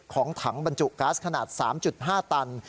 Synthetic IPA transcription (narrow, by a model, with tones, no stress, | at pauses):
kʰɔː˩˦ŋt̪ʰa˩˦ŋba˧nt͡ɕu˨˩ʔkaː˦˥skʰa˧naː˨˩t̪̚sa̰ː˩˦mt͡ɕu˨˩t̪̚ɦaː˥˩t̪a˧n